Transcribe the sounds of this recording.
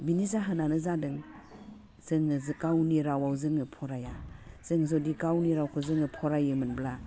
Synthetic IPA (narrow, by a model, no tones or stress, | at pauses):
binizaɦɯnanɯzadɯŋ | zɯŋzkawniɾawawzɯŋɯpʰɔɾajaz̥ɯŋzɔdikawniɾawkʰɯzɯŋɯpʰɔɾajɯmɯnbla